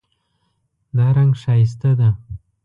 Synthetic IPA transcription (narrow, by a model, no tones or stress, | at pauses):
d̪ɑɾaŋɡʃɑjɪs̬t̪ad̪a